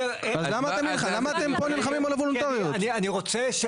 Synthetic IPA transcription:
azlamaːt̪emilχalamaːt̪emponilχamimolevolunt̪aʁionianiʁo̞t͡seʃ

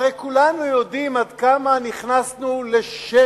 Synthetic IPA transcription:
ʁejkulanujodimadkamaniχnasnule̞ʃe

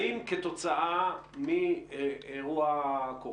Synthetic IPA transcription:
imket̪ot͡saʔami | eʁuako

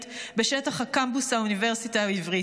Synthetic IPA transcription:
tbeʃetaχhakambusauniveʁsitaivʁi

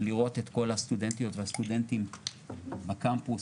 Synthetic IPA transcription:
liʁo̞t̪et̪ko̞lhast̪udent̪ijo̞t̪vehast̪ude̞ntim | bakampus

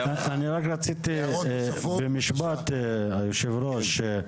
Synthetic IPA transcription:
aaniɾakɾat͡sit̪i | bemiʃbat̪ajuʃevɾoʃ

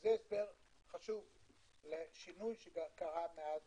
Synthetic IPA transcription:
zeːsbeʁ | χaʃuv | leʃinujʃeɡkaʁameaz

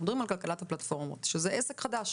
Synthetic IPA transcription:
doʁimalkalkalathaplatfo̞ʁmo̰tʃezeʔesekχadaʃ

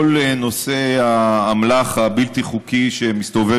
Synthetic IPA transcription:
oleno̞se̞aːmlaχabilt̪iχukiʃemist̪o̞ve

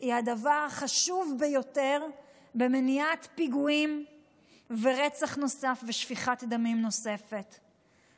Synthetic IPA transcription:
iadavaʁχaʃuvbejo̞te̞ʁ | be̞meniatpiɡuim | veʁe̞t͡saχno̞safveʃfiχat̪d̪amimno̞se̞fe̞t

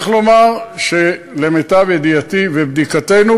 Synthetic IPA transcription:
χlo̞maʁʃe | lemet̪avjed̪ijat̪ivebd̪ikate̞nu

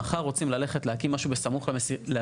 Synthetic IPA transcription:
aχaʁo̞t͡simlale̞χetleakimːaʃubesamuχlle

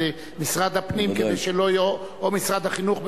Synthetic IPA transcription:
e | misʁad̪hapnimked̪ejʃelojo | omisʁad̪haχinuχb

